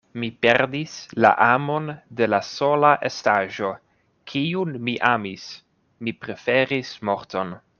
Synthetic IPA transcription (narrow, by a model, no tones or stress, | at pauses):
mipe̞ɾdisla̰ʔamo̞nde̞laso̞laʔe̞staʒo̞ | kʰiunmiʔamis | mipɾe̞fe̞ɾismo̞ɾto̞n